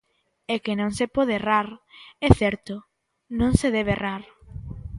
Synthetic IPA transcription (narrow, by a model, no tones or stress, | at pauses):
ɛkenõŋsepɔðeeraɾɛθɛɾt̪ʊ | nõŋseðɛβerʔaɾ